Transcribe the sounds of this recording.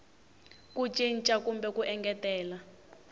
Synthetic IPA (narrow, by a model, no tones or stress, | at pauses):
kut͡ʃʼint͡ʃʼakumbɛkuʔɛŋɡɛtɛːla